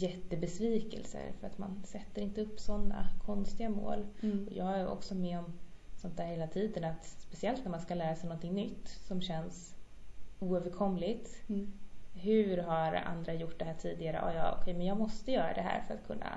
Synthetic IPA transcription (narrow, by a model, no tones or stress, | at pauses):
jɛt̪ːəbɛsviːkɛ̰lsə̰ɾfœɾat̪mansɛt̪ːəɾɪnt̪əɵpːsɔnːa̰kʰɔnst̪ɪɡamo̰ːlɔjɑːɡæʔɔ̰ksɔmɛɔmsɔnt̪æːɾheːlat̪ʰiːd̪ənat̪spɛsɪɛlt̪næɾmanskalæːɾasɛjnɔnt̪ʰɪŋnʏt̪ːsɔmɕɛns | uːøːvəɾkʰɔmlɪt̪ | hɵ̟ɾɦaɾa̰nd̪ɾajʊʈːd̪ɛɦæːʈʰiːd̪ɪɡaɾə̰ʔɔ̰jɑ̰ːɔ̰kʰɛjmɛnjɑːɡmɔst̪əjœːɾa̰d̪ɛɦæ̰ːɾfœɾa̰t̪kʰɵnːa̰